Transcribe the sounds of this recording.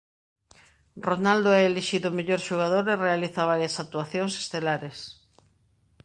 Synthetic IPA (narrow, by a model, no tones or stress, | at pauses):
ronald̪oɛeleʃiðʊmeʎoɾʃuɣað̞oɾerealiθaβ̞aɾjasak̚t̪uaθjoŋse̥st̪elaɾes